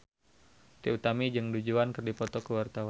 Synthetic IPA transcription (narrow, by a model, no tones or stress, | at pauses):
t̪iut̪amid͡ʒɨŋdud͡ʒuankərdipɔt̪ɔkəwart̪aw